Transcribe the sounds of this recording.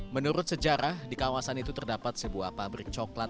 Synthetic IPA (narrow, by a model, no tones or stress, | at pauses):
mənuɾʊt̪̚səd͡ʒaɾahdikawasanit̪ut̪ərdapat̪̚səbua̰hpabɾɪk̚t͡ʃɔklat̪̚